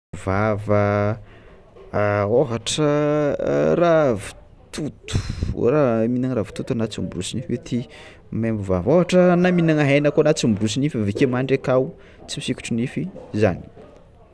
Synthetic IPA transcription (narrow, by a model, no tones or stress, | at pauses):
vavə | oɦaʈ͡ʂə | ravi̥ | t̪ʰut̪u̥raminaŋɾavi̥t̪ut̪uanat͡sumbrusinifet̪ʰi | membuvavoɦaʈ͡ʂənaminaŋaɦenəkoanat͡sumburus̬inifavekemaɳɖ͡ʐekaw | t͡simisiku̥ʈ͡ʂunifizani̥